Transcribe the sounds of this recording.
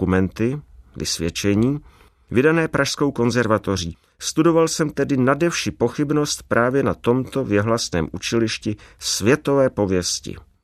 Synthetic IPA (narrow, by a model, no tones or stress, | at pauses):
umɛnt̪ɪvɪ̰svjɛt͡ʃɛɲiː | vɪdanɛːpɾʔaʃsko̞wko̞nzɛɾvat̪o̞r̝iː | st̪udo̞valsɛmt̪ɛdɪnadɛfʃipo̞xɪbno̞st̪̚pɾaːvjɛnat̪o̞mt̪o̞vjɛɦlasnɛ̰ːmʔut͡ʃɛlɪʃcɪsvjɛt̪o̞vɛːpo̞vjɛscɪ̰